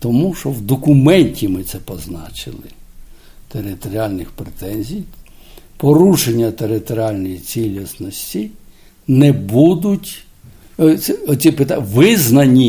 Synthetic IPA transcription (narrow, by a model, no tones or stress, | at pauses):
t̪ɔmuʃɔwd̪ɔkʊmɛnʲtʲimɪt̪sɛpɔznɑ̰t͡ʃɪ̰lˠɪ̰ | t̪eɾɪt̪ɔɾʲialʲnɪxpɾet̪ɛnʲzʲijpɔɾuʃenʲːɐt̪eɾɪt̪ɔɾʲialʲnɔjit͡sʲilʲisnɔsʲtʲi | nɛbud̪ʊtʲ | ɛɔsʲipɪt̪aʋɪznɐnʲi